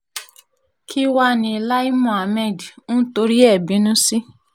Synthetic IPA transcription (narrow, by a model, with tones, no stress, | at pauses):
kʰi˦wa˦˨nĩ˧˨la˦i˦mɔ̃˨a˨mɛ̃˦˨di˨nũ˦to˨˦ɾi˦ɛ˦˨bĩ˨˦nũ˦si˦